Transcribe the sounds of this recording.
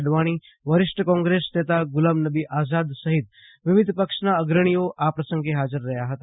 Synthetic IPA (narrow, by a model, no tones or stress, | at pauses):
ɖʋaːɽ̃i | ʋəɾɪʂʈəkɔ̃ːŋɡɾesnet̪aɡʊlamnəbiʔaːzad̪səɦɪt̪ | ʋɪʋɪd̪ʱpəkʂnaəɡɾəɽ̃ijoʔapɾəsə̃ŋɡeɦaːd͡ʒəɾːɐɦjaɦət̪a